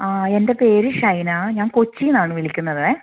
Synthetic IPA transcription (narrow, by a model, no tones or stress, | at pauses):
aːe̞nde̞pe̞ːɾɨʂɐjnaɲaːnkot͡ɕːijunaːɳɨʋiɭikʲːunːɐðɨ